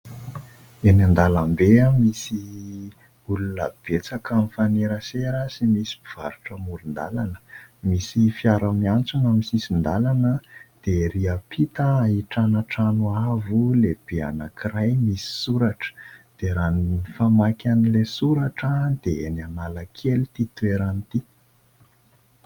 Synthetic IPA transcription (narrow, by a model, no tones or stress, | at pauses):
enand̪alambeamisi | ulunə̰b̥et͡sakamifaneɾəseɾəsimisi̥biv̥a̰ɾuʈ͡ʂəmuɾund̪a̰lanə̥misifiaɾəmiant͡sunamisisind̪alanəd̪̥eɾiapʰit̪əːɦiʈ͡ʂanaʈ͡ʂanuavuleb̥ea̰nakirajmisi̥suɾaʈ͡ʂə̥d̪̥eɾanifamakʲanilesuɾaʈ͡ʂəd̪eenanaləkʰelit̪it̪ueɾanit̪i